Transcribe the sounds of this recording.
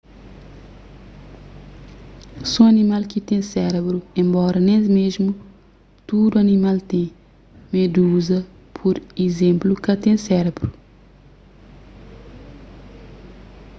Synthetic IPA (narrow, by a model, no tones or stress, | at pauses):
sõɐnimalkit̪ẽsɛɾebɾuẽmbɔɾɐnẽzmeʒmu | t̪ud̪uɐnimalt̪ẽ | med̪uzɐ | pʰuɾizẽmplukɐt̪ẽsɛɾebɾu